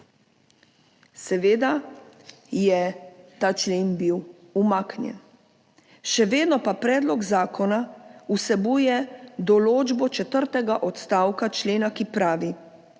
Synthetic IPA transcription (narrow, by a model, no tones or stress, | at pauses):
sɛʋeːd̪a | jɛt̪aːt͡ʃleːnbiw | umaːknjɛ̰n | ʃɛʋeːd̪nɔpapɾɛːd̪lɔɡzaːkʰɔnausɛbujɛd̪ɔloːd͡ʒbɔt͡ʃɛt̪əɾt̪ɛɡaʔɔt̪st̪aːwkat͡ʃleːnakipɾaːʋi